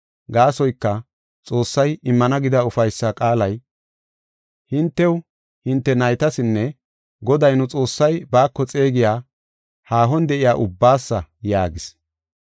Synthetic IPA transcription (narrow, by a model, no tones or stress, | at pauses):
ɡaːsɔjkːɐ | t͡sʼo̞ːsːɐjɪmːɐnɐɡɪd̪ɐʊfɐjsːɐkʼaːlɐj | hɪnt̪ːɛw | hɪnt̪ːɛnɐjt̪ɐsɪnːɛ | ɡɔd̪ɐjnʊt͡sʼo̞ːsːɐjbaːkːɔt͡sʼeːɡɪjaː | haːɦɔnd̪ɛʔɪjaːʔʊbːaːsːɐjaːɡɪs